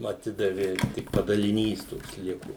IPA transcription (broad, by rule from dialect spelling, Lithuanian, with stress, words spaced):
ɐˈtʲɪdɐʋʲɪ tʲɪk pɐdɐlʲɪˈnʲiːs ˈtoːks ˈlʲɪkʊ